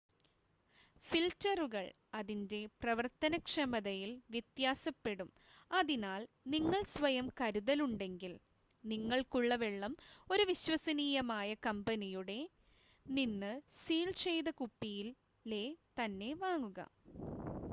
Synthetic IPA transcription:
filtɐruɣɐɭ | ɐðinde̞prɐʋɐrt̪ɐnɐkʂɐmɐðɐjilʋjɐt̪jaːsɐpːe̞ɽum | ɐðinaːl | niŋːɐɭsʋɐjɐmkɐɾuðɐluɳɖe̞ŋɡil | niŋːɐɭkuɭːɐʋeɭːɐmo̞ɾuʋiɕwɐsɐniːjɐmaːjɐkɐmbɐnijuɽe̞ | ninːɨsiːlt͡ɕejd̪ɐkupːijil | le̞t̪ɐnːe̞ʋaːŋːuɣɐ̰

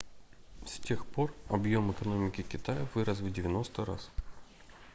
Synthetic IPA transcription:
sʲtʲe̞xpo̞rɐbjo̞mɛkɐno̞mʲɪkʲɪkʲɪt̪ajəvɨɾəs̬vʲdʲɪvʲɪno̞st̪əɾa̰s

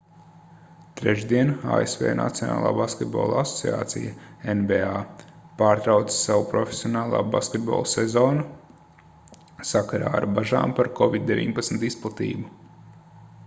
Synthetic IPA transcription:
t̪ɾɛʒd̪iɛna̰ːesvʲḛːnʔa̰t̪sʲiɔna̰ːlˠa̰ːbaskʲet̪bo̰ːlˠasɔ̥sia̰ːt̪sḭja̰enveaːpaːɾt̪ɾawt̪ssawupɾɔfʲesʲiɔnaːlˠa̰ːba̰skʲet̪̚bo̰ːlˠsɛzoːnu | sakaɾaːa̰ɾbaʒa̰ːmpaɾkɔvid̪̚d̪evʲḭɲpat̪smt̪isplˠat̪ḭːbu

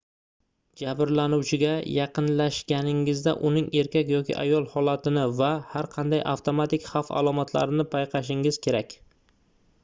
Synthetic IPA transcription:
d͡ʒabɾlanuwt͡ʃʰɪɡʲajɑqɨnlaʃɡʲanɪŋɪzd̪a̰ʔʊnɪŋe̞ɾkʲakʲjɒkʲɪ̰ʔa̰jɒlˠhɒlat̪ʰɪnɪvahaɾqʰɑnd̪ajʔa̰ft̪omat̪ɪkʲχafa̰lˠɒmat̪ʰla̰ɾɪnɪpʰajqʰɑʃ̬ɪŋɪz̥kʲʰe̞ɾakʲ

